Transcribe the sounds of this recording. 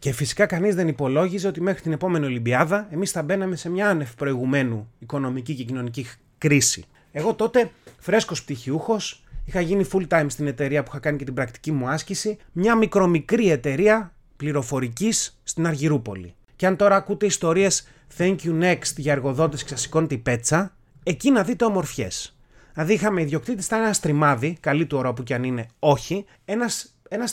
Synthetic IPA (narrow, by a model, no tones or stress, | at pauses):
ce̞fisi̥kɐkɐnizðe̞nipo̞lo̞ʝize̞o̞t̪ime̞xɾit̪ine̞po̞menio̞limbiɐðɐe̞misθɐbe̞nɐme̞se̞mɲɐɐne̞fipɾo̞iɣume̞nuiko̞no̞micice̞cino̞nici | kɾisḭ | e̞ɣo̞t̪o̞t̪e̞fɾe̞sko̞sp̚t̪içiuxo̞sixɐʝinifult̪ɐjmst̪ine̞t̪e̞ɾiɐpuixɐkɐnice̞t̪ibɾɐk̚t̪i̥cimuɐscisi | mɲɐmikɾo̞mikɾie̞t̪e̞ɾiɐ | pliɾo̞fo̞ɾicisːt̪inɐɾʝiɾupo̞̰lḭ | ceɐnt̪o̞ɾɐːkut̪e̞ist̪o̞ɾie̞s | θeɲcjune̞kst̪ʝɐeɾɣo̞ðo̞t̪̬isksɐsi̥ko̞nt̪ipe̞t͡sɐ | e̞cinɐðit̪e̞omo̞ɾfçe̞̰s | ɐðiixɐme̞iðʝjo̞kt̪it̪ist̪ɐnenɐst̪ɾimɐðikɐlit̪uoɾoɐpuceɐnine̞o̞çi | e̞nɐs | e̞nɐs